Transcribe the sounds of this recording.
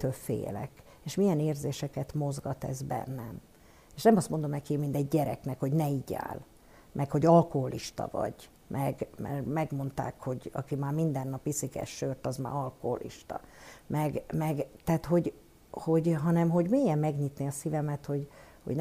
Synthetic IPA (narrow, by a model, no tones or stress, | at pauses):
t̪øːlfḛːlɛ̰k | eːʃmijɛneːrzeːʃɛkɛt̪mo̞zɡɒt̪ɛ̰zbɛ̰nːɛm | eːʃnɛmɒst̪mo̞nd̪o̞mnɛkimind̪ɛɟːɛɾɛ̰knɛkho̞ɟnɛiːɟa̰ːl | mʔɛkho̞ɟɒlko̞ɦo̞lʔiʃt̪ɒ̰vɒ̰ɟ | mʔɛɡmɛ̰rmɛɡmo̞nt̪a̰ːkho̞ɟɒ̰kimaːrmind̪ɛnːɒpisikɛ̰ʃʃørt̪ɒzma̰ːɒlkoɦo̰lʔḭʃt̪ɒ̰mɛɡmɛɡt̪ɛaːt̪ho̞ɟ | ho̞ɟɦɒnɛmɦo̞ɟmeːjɛmːɛɡɲit̪neɒsivɛmɛt̪ho̞ɟho̰ɟn